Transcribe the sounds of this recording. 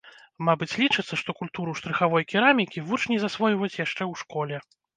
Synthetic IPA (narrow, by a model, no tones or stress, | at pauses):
mabɨt͡sʲlʲit͡ʂɨt̪sːɐʂt̪ɔkulʲt̪uɾuʂt̪ɾɨxavɔjkʲiɾamʲikʲivut͡ʂnʲɛzasvɔjvɐjut͡sʲjaʂt͡ʂɛwʂkɔlʲɛ